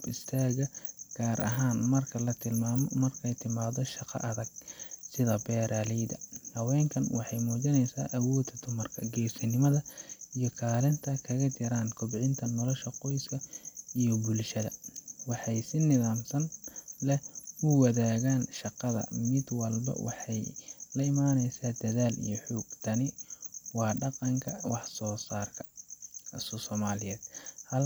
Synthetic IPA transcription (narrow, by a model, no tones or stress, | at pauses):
ɪst̪ʰaːɣɐɡ̥aːɾʔɐ̰ɦaːnmɐrkʰɐlɐt̪ʰɪlmaːmɔmɐrkʰɛjt̪ʰɪmaːðɔʃɑqɑ̰ʔɐðɐɡ̥̚sɪðɐbɛːɾʔaːlɛjd̪ɐhɐwɛːŋkʰɐnwɑħɑjmuːt͡ʃɐnɛjsa̰ːʔɐwɔːd̪ɐd̪ʊmɐrkʰɐɡɛːsɪnɪmɐðɐijɔkʰaːlɪnt̪ʰɐkʰɐɣɐt͡ʃ̪ɪɾaːŋkʰɔbʕɪnt̪ʰɐnɔlɔʃɐqɔjskʰɐijɔbʊlʃɐðɐ̰wɑħɑjsɪnɪðaːmsɐnlɛʊwɐðaːɣaːnʃɑqɑðɐ̰mɪd̪wɐlbɐ̰wʔɑ̰ħɑjlɐɪmaːnɛjsaːd̪̥ɐðaːlḭjɔħuːɡt̪ʰɐnɪwɑːɖɑqɑŋkʰɐwɑħsɔːsaːrkʰɐ̥ | ssɔːmaːlɪjɛːd̪̥hɐl